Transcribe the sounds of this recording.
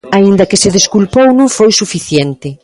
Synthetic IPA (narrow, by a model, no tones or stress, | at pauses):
aind̪ɐkɪseðeskulpownũŋfojsufiθjent̪ɪ